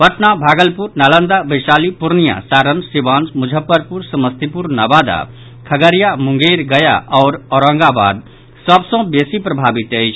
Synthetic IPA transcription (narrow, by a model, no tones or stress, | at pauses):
pəʈnabʱaɡəlpuɾnalənd̪abəjsalipuɾnija̰saɾənsibansmud͡ʒʱəpːəɾpuɾsəməst̪ipuɾnabad̪a̰ | kʰəɡəɾijamuŋɡeɾɡəja̰ʔɔːɾɔɾə̃ŋɡaba̰d̪ | səbsə̃besipɾəbʱabit̪əjt͡ʃʰ